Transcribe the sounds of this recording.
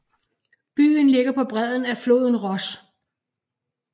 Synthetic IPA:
b̥y̰ːn̩le̝ɡ̥ɐpʰɒ̽b̥ʁɛð̰ˠn̩æflo̝̰ːðˠn̩ʁɒ̽s

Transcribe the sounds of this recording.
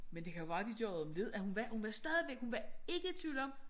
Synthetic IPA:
mend̥e̝kʰæjo̝̥ɑ̈ːd̥id̥jɒ̰ʊð̩ˠɒ̽mle̝ð̞̰ˠæhunʋæhunʋæsd̥ɛð̞ˠiʋeɡ̥hunʋæe̝ɡ̥ə̥t͡sʰʋḭːʊlɒ̽m̰

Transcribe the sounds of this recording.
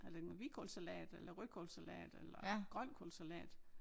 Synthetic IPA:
æd̥emoʋikʰolsælɛ̰ːd̥elɐʁykʰolsælɛ̰ːd̥elɐɡ̥ʁœn̰kʰolsælɛ̰ːd̥

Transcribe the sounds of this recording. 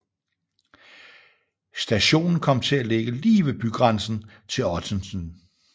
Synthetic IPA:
sd̥æɕo̝̰ːnn̩kʰɒ̽m̰t͡sʰe̝æleɡ̥əliːʋe̝b̥yɡ̥ʁɑnsn̩ | t͡sʰe̝lɒt͡sʰənsn

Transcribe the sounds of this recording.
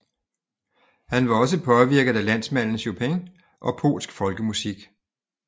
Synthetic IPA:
hænʋɑ̈ɒ̽s̬əpʰɒ̽ʋiɐɡ̥ð̩ˠælæn̰smæn̰n̩sjopʰeŋ | ʔɒ̽pʰo̝̰ːlsɡ̥fɒ̽lɡ̥əmusiɡ̥

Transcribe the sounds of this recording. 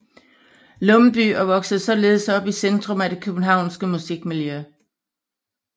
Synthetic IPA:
lɔ̽mb̥y̰ːɐʋɒ̽ɡ̥sð̩ˠsɒ̽le̝ːð̞̩ˠsɒ̽b̥isend̥ʁɔ̽mæd̥e̝kʰøb̥n̩ɦɑ̈ʊ̰nsɡ̥əmusiɡ̥miljø

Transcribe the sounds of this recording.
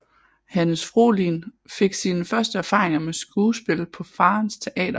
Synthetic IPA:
hænəsfʁo̝̰ːlinfe̝ɡ̥siːnəfɶɐsd̥əæɐfɑ̰̈ːʁeŋɐmesɡ̥uːsb̥e̝lpʰɒ̽fɑ̈ːnst͡sʰe̝ʔɛ̰ːd̥ɐ

